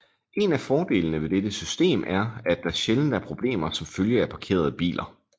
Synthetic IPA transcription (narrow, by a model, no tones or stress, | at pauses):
e̝næfɒːd̥e̝̰ːlənəʋe̝d̥ed̥əsysd̥e̝̰ːmʔæɐæd̥ːɑ̈æɐɕeln̩d̥æɐpʰʁo̝b̥le̝̰ːmɐsɒ̽mføljəæpʰɑ̈kʰe̝̰ːɐð̞̩ˠəb̥ḭːlʔɐ